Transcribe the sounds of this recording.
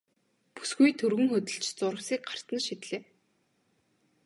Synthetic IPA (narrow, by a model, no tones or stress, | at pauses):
pu̥sɡujt̪ʰɵrɣɵ̆ŋxɵt̪ə̆ɬt͡ɕt͡sʊɾə̆siːk̚ɢar̥t̪ə̆nʃit̪ɮeː